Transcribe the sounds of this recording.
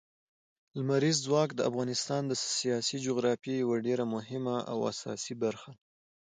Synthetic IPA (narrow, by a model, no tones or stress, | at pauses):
lmaɾizd͡zwɑkd̪əa̰fɣɑnɪst̪ɑnd̪əsijɑsid͡ʒoɣɾɑfjejawaɖeɾamʊɦɪmaʔa̰wa̰sɑ̰sibaɾxa